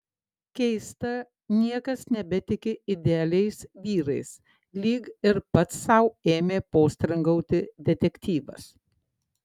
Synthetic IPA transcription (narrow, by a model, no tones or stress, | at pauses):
kʲɛɪst̪ɐ | nʲiɛkɐsnʲɛbʲɛt̪ʲɪkʲɪɪd̪ʲɛɐlʲɛɪsʋʲiːɾɐɪs | lʲiːɡɪɾpɐt̪sːɐʊeːmʲeːpoːsʲt̪ʲɾɐŋɡɐʊt̪ʲɪd̪ʲɛt̪ʲɛkʲt̪ʲiːʋɐ̰s